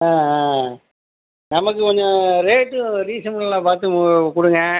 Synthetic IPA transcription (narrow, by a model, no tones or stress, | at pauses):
aː | nɐmɐkːɯkɔɲd͡ʒɐ̃ɾeːʈːɯɾiːsɐmɐɭlãːpaːɾt̪ɯkʊɽɯŋɡɐ̃